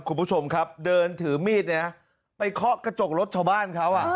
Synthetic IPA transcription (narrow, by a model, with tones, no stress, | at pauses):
p̚kʰu˧npʰu˦˥˩t͡ɕʰo˧mkʰa˦˥p̚dɤː˧nt̪ʰɯː˩˦miː˥˩t̪̚ni˦ɐ˥˩ | pa˧jkʰɔ˦˥ka˧t͡ɕo˨˩k̚ɾo˦˥t̪̚t͡ɕʰaː˧wbaː˥˩nkʰa˦˥wʔa˨˩